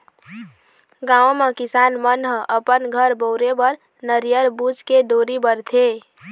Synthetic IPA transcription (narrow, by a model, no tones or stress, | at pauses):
ɡãːõmekɪsaːnmənɦə̃ʔəpənɡʱəɾboʊɾebəɾ | nəɾijəɾbud͡ʒkeɖoːɾibəɾt̪ʰe